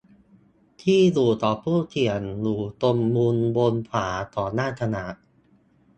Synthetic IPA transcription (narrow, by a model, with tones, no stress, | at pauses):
t̪ʰiː˥˩luː˨˩t̪ɔː˨˩pʰuː˥˩t̪ʰi˨˩ənluː˨˩t̪o˧mːuː˧nbo˧npʰaː˩˦t̪ɔː˨˩naː˥˩t̪ʰa˧na˨˩˦